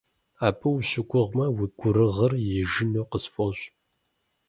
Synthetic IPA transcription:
aːpʰʼɨwɕɪɡʷʊʁmɐwiɡʷʊɾɨʁɐrjɪʒɪnoːqəsfʼoɕʼ

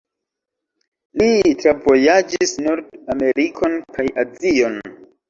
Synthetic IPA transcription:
litɾavo̞jad͡ʒisnoɾdame̞ɾikʰo̞nkajazio̞n

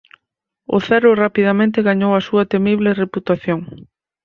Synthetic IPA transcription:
ʊ̰θɛɾʊrapiðɐmẽnt̪ɪɣaɲowɐsuɐt̪emiβlereput̪aθjoŋ

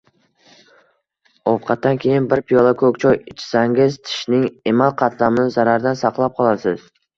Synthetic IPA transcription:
ɒfqʰɑt̪ːankʲʰe̞jɪnbɪɾpʰijɒlˠakʰɵkʲt͡ʃʰɒjɪt͡ʃʰɪ̥saŋʲɪzt̪ʰɪ̥ʃnɪŋemalˠqʰɑt̪ʰlamɪnɪzaɾaɾd̪ansɑqlˠap̚qʰɒlˠaɾsɪz̥

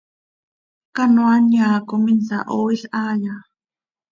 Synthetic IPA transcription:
kanwanjaːkominsa̰ʔoiɬaːja

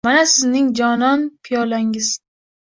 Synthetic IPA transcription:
manasɪznɪŋd͡ʒɒnɒnpʰɪjɒlaŋɪz̥

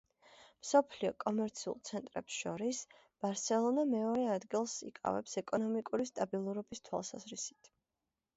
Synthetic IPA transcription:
msɔpʰliɔkʼɔmɛɾt̪sʰiṵlˠt̪sʰɛnt̪ʼɾɛpsʃɔɾis | b̥aɾsɛlˠɔnamɛɔɾɛad̪ɡilˠsḭkʼa̰vɛ̰psɛkʼɔnɔmikʼuɾist̪ʼabilˠuɾɔbist̪ʰwa̰lˠsa̰zɾisi̥t̪ʰ

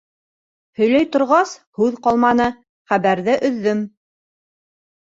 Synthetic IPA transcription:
hɵ̆jlæjt̪ŏɾʁɑshʉðqɑlˠmɑnɤ | χæβæɾðɘʔɵ̆ðːɵm

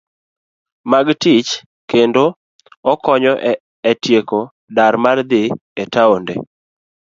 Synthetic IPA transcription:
maɡtɪt͡ʃ | kendo | ɔkɔɲɔʔ | ɛtjeko | daɾmard̪ɪ | etaondḛ

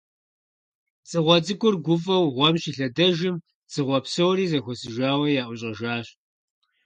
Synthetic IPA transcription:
t͡sʼɨʁʷɔt͡sʼɨkʷʼʊrɡʷʊfʼɐwʁʷɔmɕiːɬɐdɐʒɪm | t͡sʼɨʁʷɔpsɐwɾiːzɐxʷɔsɨʒaːwɐjaːʔʷʊɕʼɐʒaːɕ

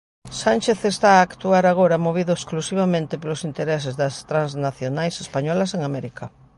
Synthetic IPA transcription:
sanʲt͡ʃeθest̪aːkt̪uaɾaɣ̞oɾamoβ̞iðʊesklusiβ̞amẽnt̪epelosint̪eɾɛsezðɐst̪ɾãnznaθjonajsespaɲɔlas̬eŋamɛɾika

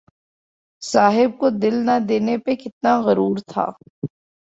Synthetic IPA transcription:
saːɦɪb̚kod̪ɪlnad̪eːnepekɪt̪̚naɣɐɾuːɾt̪ʰa̰ː

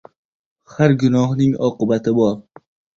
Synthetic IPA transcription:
haɾɡʊnɒhnɪŋɒ̰qɨbat̪ʰɪbɒɾ

